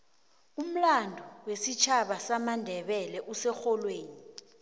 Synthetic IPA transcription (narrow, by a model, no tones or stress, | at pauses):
um̩landʱɔwesit͡ʃʰaɓasamandʱɛɓɛlɛʔusɛxɔlweːni